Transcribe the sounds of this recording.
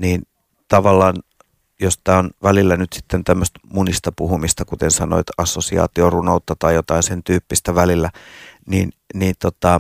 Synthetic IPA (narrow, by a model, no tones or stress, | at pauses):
niːn | t̪ɑʋɑlːɑːn | jost̪æːonʋælilːænyt̪si̥t̪ːent̪æmːøst̪munist̪ɑpuhumist̪ɑkut̪ensɑno̰et̪ɑsːosiɑ̰ːt̪iorunout̪ːɑt̪ɑjjot̪ɑinsent̪yːpːist̪æʋælilːæniːn | niːnt̪ot̪ɑ